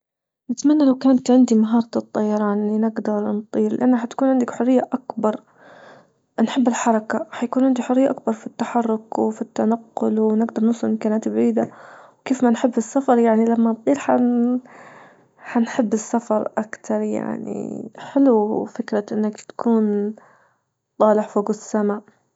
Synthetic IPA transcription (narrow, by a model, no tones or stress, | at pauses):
nɪt̪manːalawkaːnt̪ʕɪnd̪imaɦɑːɾˤɑɨt̪ˤːɑjɑɾˤɑːnlinɪɡd̪ɑɾˤnt̪ˤiːɾlɪʔanːaħat̪kuːnʕɪnd̪akħʊrːɪjːaʔakbɑɾˤ | nħɪbːɪlħɑɾˤɑkaħajakuːnʕɪnd̪iħʊrɪjːaʔak̚bɑɾˤfit̪ːaħɑrˤːʊkwfit̪ːanaqːʊlwnɪɡd̪ɑɾˤnʊsˤʊlɪmkaːnaːt̪bʕiːd̪awkeːfmanħɪbːɪsːafɑɾˤjaʕnilamːant̪ˤiːlħa | ħanħɪbːɪsːafɑɾˤʔakt̪ʰɑɾˤja̰ʕnḭħɪlufɪkɾaʔɪnːakt̪ḁkʰuːn | t̪ˤɑːlɪħfoːɡsːamaː